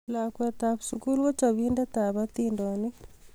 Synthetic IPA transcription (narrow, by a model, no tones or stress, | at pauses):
lakwɛtaβusukulwɔt͡ʃaβindataβat̪indɔni